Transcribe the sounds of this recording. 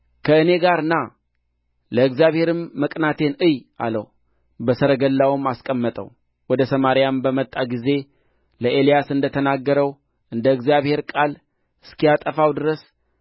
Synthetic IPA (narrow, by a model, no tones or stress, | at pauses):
kʰəɨne̞ɡaɾɨna | ləɨɡzijaβhe̞ɾɨmːəkʼnat̪ʰe̞nɨjʔa̰lə̰w | bəsəɾəɡəlːawɨmaskʼəmːət̪ʼə̰w | wɔd̪əsəmaɾijambəmət̪ʼːaɡize̞ | ləʔelijasɨnd̪ət̪ʰənaɡːəɾəw | ʔɨnd̪əɨɡzjaβhe̞ɾkʼal | ɨskijat̪ʼəfawd̪ɨɾəs